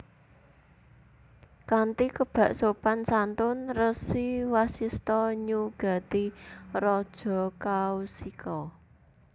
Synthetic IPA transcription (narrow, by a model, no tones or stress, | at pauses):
kant̪ikəb̥a̤ʔsopansant̪ʊnrəsiwasist̪ɔɲuɡ̥a̤t̪irɔd̥ʒ̥ɔ̤kausikʰɔ